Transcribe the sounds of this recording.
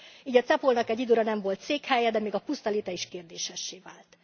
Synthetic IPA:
iːɟɒt̪sɛpolnɒkɛɟːid̪øːɾɒnɛɱvo̞lt̪seːkhɛjɛd̪ɛmeːɡɒpust̪ɒleːt̪ɛiʃkeːrd̪eːʃɛʃːeːvaːlt̪

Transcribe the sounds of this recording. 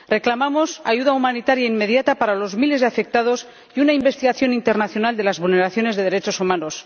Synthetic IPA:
re̞klamamo̞saʝuðaumanit̪aɾjaimme̞ðjat̪apaɾalo̞zmile̞zðe̞afe̞k̚t̪að̞o̞s | iunaimbe̞st̪iɣaθjo̞nĩnt̪eɾnaθjo̞nald̪e̞lazβulne̞ɾaθjo̞ne̞zðe̞ðe̞ɾe̞t͡ʃo̞sumano̞s

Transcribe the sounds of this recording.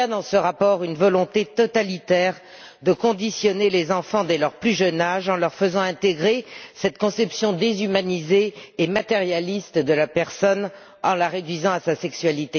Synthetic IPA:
ad̪ɑ̃səʁapɔʁynvɔlɔ̃t̪et̪ɔt̪alit̪ɛʁ | d̪əkɔ̃d̪isjɔnelezɑ̃fɑ̃d̪elœʁplyʒənaʒɑ̃lœʁfəzɑ̃ɛ̃t̪eɡʁesɛt̪kɔ̃sɛpsjɔ̃d̪ezymanizeːmat̪eʁjalist̪d̪əlapɛʁsɔn | ɑ̃laʁed̪ɥizɑ̃asasɛksɥalit̪e

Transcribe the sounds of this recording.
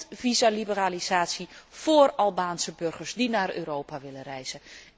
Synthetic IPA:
vizalibəralizaːtsjifoːrɑlˠbaːnsəbørɣəɹsdinaːrø̰ːɾoːpaʋɪlərɛjzə

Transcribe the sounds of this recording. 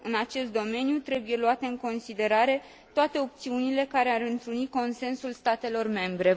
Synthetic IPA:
ɨnat͡ʃe̞st̪d̪o̞me̞njut̪ɾe̞buje̞luat̪e̞ɨŋko̞nsid̪e̞ɾaɾe̞ | t̪oat̪e̞o̞p̚t̪siunile̞kaɾe̞aɾɨnt̪ɾuniko̞nse̞nsulst̪at̪e̞lo̞rme̞mbɾe̞

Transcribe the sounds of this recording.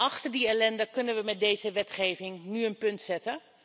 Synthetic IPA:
ʔɑχtəɹdiɛlɛndəkɵnənʋəmɛt̚dejzəʋɛtχejvɪŋnyənpɵntsɛtə

